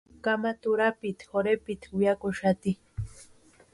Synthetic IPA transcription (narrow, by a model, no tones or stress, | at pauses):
kamat̪ʊɾapɪt̪xoɾepɪt̪wɪjakʊʃat̪i